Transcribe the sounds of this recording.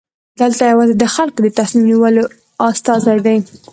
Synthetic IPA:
d̪əlt̪ajawɑzed̪əxalkod̪ət̪asnimniwəlo | ast̪ɑzajd̪aj

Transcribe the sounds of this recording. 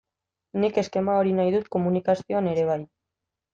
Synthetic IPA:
nike̞ske̞mao̞ɾinajðut̪ko̞munikasioane̞ɾe̞β̞aj

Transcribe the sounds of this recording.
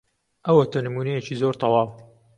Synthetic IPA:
ʔɐwɐt̪ʰɐnɨmuːnɛjet͡ʃizoːɾt̪ˤʰɑwɑːw

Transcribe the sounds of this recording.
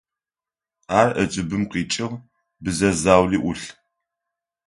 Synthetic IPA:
aːrʔət͡ʃʼɪbɨmqiːt͡ʃʼɪʁ | bɨzɐzaːwliːʔʊɬ

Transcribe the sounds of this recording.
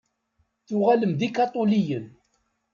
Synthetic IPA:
θʊʁaləmðikɑt̪ˤolijən

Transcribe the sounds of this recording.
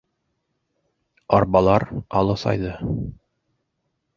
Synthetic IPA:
ɒɾbɑlˠɑɾɑlˠɤsɑ̰jðɤ

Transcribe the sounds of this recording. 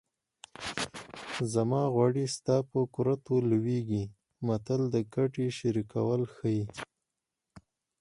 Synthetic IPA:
zamɑɣwɑɽist̪ɑpəkʊɾat̪oluweɡi | mat̪əld̪əɡaʈeʃaɾika̰wəlxəji

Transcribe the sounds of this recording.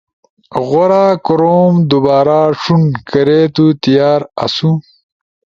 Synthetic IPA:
ɣoɾaːkɾoːmd̪ubaːɾaʂunkɐɾet̪ut̪ijaːɾa̰su

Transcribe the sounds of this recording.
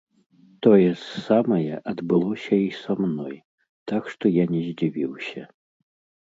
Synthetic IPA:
t̪ɔjɛsːamɐjɛʔɐd̪bɨlˠɔsʲɐisamnɔj | t̪akʂt̪ɔjanʲɛzʲd͡zʲivʲiwsʲɐ

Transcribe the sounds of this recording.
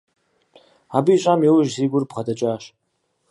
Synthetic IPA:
abiːɕʷʼamiwʊʒziɡʷʊrbχadat͡ʃʼaːʃ

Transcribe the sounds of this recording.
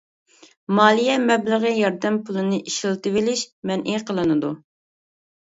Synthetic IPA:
mɑːlˠijɛmɛbləʁəjɑɾd̪ɛmpulˠɨnɨʔiʃilˠt̪ɨvɪlɪʃmɛnʔiqʰəlˠɨnɨd̪u

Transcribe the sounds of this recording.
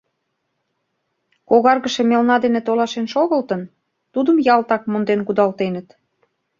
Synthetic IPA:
koɣɑrɣəʃemelnɑd̪enet̪olɑʃenʃoɣəlt̪ən | t̪ud̪əmjɑlt̪ɑkmond̪enkud̪ɑlt̪enə̆t̪

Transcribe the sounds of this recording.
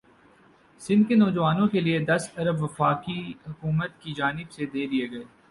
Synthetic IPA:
sɪ̃nd̪̚kenɔːd͡ʒʋaːnõkelied̪ɐsɐɾəbʋɐfaːkiɦʊkuːmət̪kid͡ʒaːnɪbsed̪eːɾieɡɐeː

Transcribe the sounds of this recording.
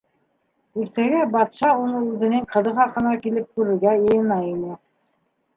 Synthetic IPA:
iɾt̪æɡæbɑt̪ʃɑunɤʉðɘ̆nɘŋqɤ̆ðɤχɑqɤ̆nɑkilɘp̚kʉɾɘ̆ɾɡæjɤ̆jɤ̆nɑinɘ

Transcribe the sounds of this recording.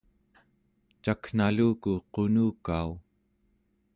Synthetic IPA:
t͡ʃakn̥aluːkuqonuːkau

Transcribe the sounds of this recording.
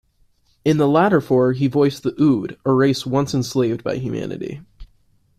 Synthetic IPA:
ɨ̃nðəlæɾə˞fɔɹivɔɪsðiʔuɾəɹeɪswʌ̃nsɨ̃nsleɪvdba̰ɪɦjʉmæ̰̃nɨ̰ɾḭ

